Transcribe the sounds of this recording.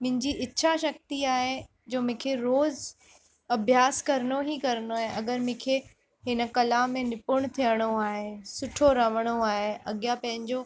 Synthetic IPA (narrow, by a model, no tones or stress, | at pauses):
mʊ̃ɦɪ̃ɲd͡ʑiʔɪtːɕʰaʃɐk̚t̪iaːɦe | d͡ʑoːmʊ̃kʰeɾoːz | ɐbʱjaːskɐɾəñoɦikɐɾənoaːɦeʔɐɡəɾmʊ̃ːkʰe | ɦɪnə̆kɐlaːmːẽnɪpʊɽ̃t̪ʰijəɽ̃oaːɦesʊʈʰoɾɐʋəɽ̃oaːɦeɐɠjapɐ̃ɦɪ̃ɲd͡ʑo